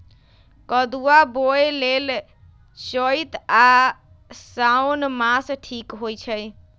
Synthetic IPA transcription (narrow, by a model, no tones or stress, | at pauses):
kəd̪uaboelel | t͡ʃəjt̪a | sawnmasʈʰikɦojt͡ʃʰəj